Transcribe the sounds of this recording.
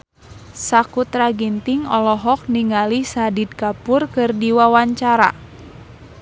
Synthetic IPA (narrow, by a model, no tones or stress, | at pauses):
sakut̪ɾaɡint̪iŋɔlɔɦɔk̚niŋalisadid̪̚kapurkɨrdiwawaɲt͡ʃaɾa̰